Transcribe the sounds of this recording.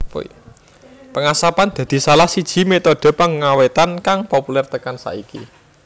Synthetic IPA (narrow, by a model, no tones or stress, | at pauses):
pṵi | pəŋasapand̪̥ä̤d̪̥i̤salahsid̥ʒ̥i̤met̪ɔɖ̥ɔ̤pəŋŋawet̪ankaŋpopulɛrt̪əkansa̰ʔikḭ